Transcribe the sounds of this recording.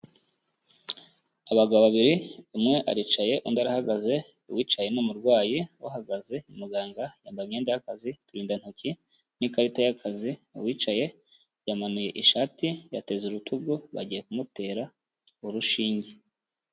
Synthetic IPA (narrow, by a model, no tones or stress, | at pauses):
aβaɡaββaβiɾiumŋe̞ʔa̰ɾit͡ʃaje̞ʔundaɾahaɡaze̞ | uwiːt͡ʃaje̞nomuɾɡwaːjiwaɦaɡaze̞mumuɡaːŋɡajaːmbaimɲeːndajakazituɾiːndan̥hoci | nikaɾitajakʰaziuwiːt͡ʃaje̞ | jamanuje̞ʔiʃaːtijate̞zuɾutʰuɡuβa̰ɟije̞kumute̞ːɾa | uɾuʃiːɲɟe